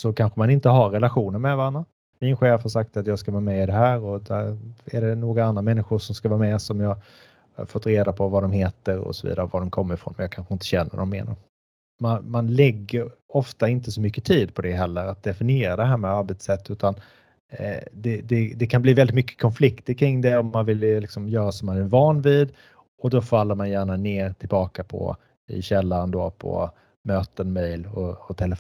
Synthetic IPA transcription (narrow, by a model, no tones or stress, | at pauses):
sɔkʰanɧəmanɪnt̪əɦaɾːɛlaɧuːnəɾmɛvaɾanːa | mɪnɧeːfhaɾʂak̚t̪at̪jɑːɡskavɑːmɛɪd̪ɛɦæːɾɔd̪æɾɛɖɛnoːɡaand̪ɾamɛnːɪɧʊʂɔmskavɑːɾmɛsɔmjɑ | ha̰ɾfɔt̪ːɾeːd̪apʰɔvad̪ɔmheːt̪əɾɔ̰sɔvḭːd̪aɾəvad̪ɔmkʰɔmːəɾɪfɾɔ̰nmɛnjɑaːkʰanɧəɪnt̪əɕɛnːə̰d̪ɔmːḛːna̰ɾ | manmanlɛɡːəɾɔft̪aɪnt̪əsɔmʏkːət̪ʰiːd̪̚pʰɔd̪ɛɦɛlːəɾat̪̚d̪ɛfɪnɪeːɾad̪ɛɦæːɾmɛaɾbɛt̪sɛt̪ʰːʉ̟ːt̪an | d̪ɛd̪ɛd̪ɛkʰanbliːvɛlɪt̪mʏkːə̥kʰɔnflɪkt̪əɾkʰɾɪŋːd̪ɛɔmːanvɪllɪksɔmjœːɾasɔmːanɛvɑːnviːd̪ | ɔd̪ɔfalːəɾmanjæːɳaneːɾt̪ʰɪlbɑːkapʰɔ̰ | ɪ̰ɕɛlːaɾənd̪oːpʰɔ̰ | møːt̪ənmɛjlɔːt̪ʰɛlə